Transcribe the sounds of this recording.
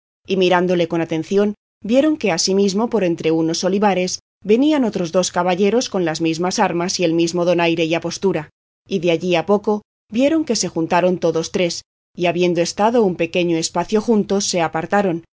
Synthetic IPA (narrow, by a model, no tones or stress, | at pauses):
imiɾand̪o̞le̞ko̞nat̪e̞nθjo̞n | bje̞ɾo̞ŋke̞asimizmo̞po̞ɾe̞nt̪ɾe̞uno̞so̞liβaɾe̞s | be̞niano̞t̪ɾo̞zðoskaβaʎe̞ɾo̞sko̞nlazmizmasaɾmasie̞lmizmo̞ðo̞najɾe̞iapo̞st̪uɾa | iðeaʎiapo̞ko̞ | bje̞ɾo̞ŋke̞se̞xunt̪aɾo̞nt̪o̞ðo̞st̪ɾe̞s | iaβje̞nd̪oe̞st̪aðo̞umpe̞ke̞ɲoespaθjo̞xunt̪o̞sːe̞apaɾt̪aɾo̞n